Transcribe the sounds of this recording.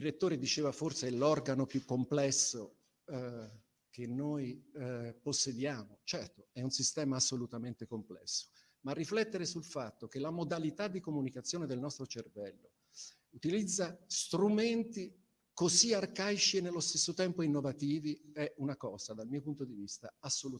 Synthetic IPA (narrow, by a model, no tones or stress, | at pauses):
iɾet̪ːoːɾed̪it͡ʃeːvaforseɛlɔrɡanopjukːomplɛsːo | kenːoj | posːed̪jaːmot͡ʃɛrt̪oɛunsist̪ɛːmaːsːolut̪ament̪ekomplɛ̰sːo̥ | marːiflɛt̪ːeɾesulfat̪ːok̟elamod̪alit̪ad̪ːikomunikat̪sːjoːned̪elnɔst̪ɾot͡ʃervɛlːo | ut̪ilid̪zːast̪ɾument̪i | koziarkajt͡ʃienːelːost̪esːot̪ɛmpoinːovat̪iːviɛunakɔːzad̪almiːopunt̪od̪ivist̪a̰asːolu